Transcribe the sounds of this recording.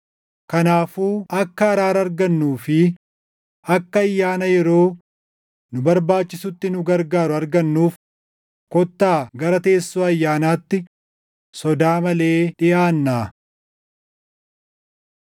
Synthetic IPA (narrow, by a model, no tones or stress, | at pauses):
kɐnaːfuːʔɐkːɐːɾaːɾɐɐɾɡɐnːuːfɪ | ɐkːɐɐjːaːnɐjɛɾo̞ː | nʊbɐɾbaːt͡ʃːɪsʊt̪ːɪnʊɡɐɾɡaːɾʊɐɾɡɐnːuːf | kɔt̪ːaːɡɐɾɐt̪e̞ːsːuːɐjːaːnaːt̪ːɪ | sɔd̪aːmɐle̞ːᶑɪʔaːnːaː